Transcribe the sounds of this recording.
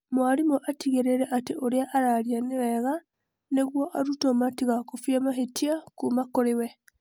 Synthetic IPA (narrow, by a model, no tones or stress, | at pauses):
mwaɾimɔʔatiɣeɾeɾɛʔateʔoɾeaʔaɾaɾianewɛɣa | neɣwɔʔaɾutɔmatiɣakofjamaɦetiakumakoɾewɛ